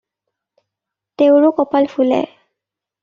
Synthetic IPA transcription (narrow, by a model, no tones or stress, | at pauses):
teʊɹʊkɔpalpulɛ̰